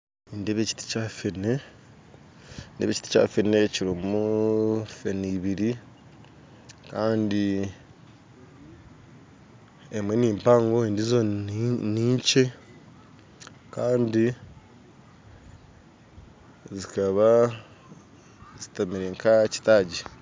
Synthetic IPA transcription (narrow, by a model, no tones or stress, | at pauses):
indeβeci̥ti̥caːfene | ndeβeci̥ti̥ca̰ːfeneciɾimu | feniβiɾi | kaːndi | emwe̞niːmpaːŋɡo̞endizoniːɲt͡ʃe | kaːndi | zikaβa | zitamiɾeŋkʰaci̥taɟi